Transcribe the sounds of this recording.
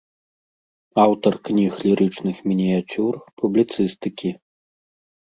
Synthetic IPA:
awt̪ɐrknʲixlʲiɾɨt͡ʂnɨxmʲinʲijat͡sʲurpublʲit̪sɨst̪ɨkʲi

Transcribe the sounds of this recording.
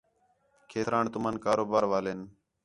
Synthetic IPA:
kʰeːt̪ɾaːɳt̪ʊmənkaːɾoːbaːɾʋaːleːn

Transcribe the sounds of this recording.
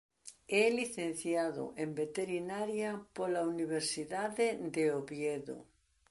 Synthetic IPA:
ɛliθen̟θjaðʊ̰ʔembet̪eɾinaɾjɐpolauniβeɾsiðaðed̪eoβjeðʊ̰

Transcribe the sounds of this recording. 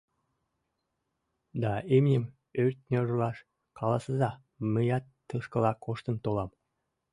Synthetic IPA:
d̪ɑemnʲem | øɾʲt̪̚nʲoɾlˠɑʃ | kʰɑlˠɑsəzɑ | məjɑt̪ːəʃkəlɑkoʃt̪ə̆nt̪olˠɑm

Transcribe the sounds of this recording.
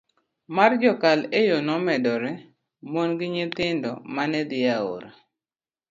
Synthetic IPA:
mard͡ʒɔkalejonɔmɛdɔɾɛ | mwonɡɪɲɪt̪ɪndɔ̰manɛd̪ɪao̰ɾa̰

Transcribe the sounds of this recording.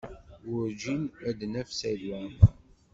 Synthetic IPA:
wʊɾd͡ʒinæd̪næfsæðwæ

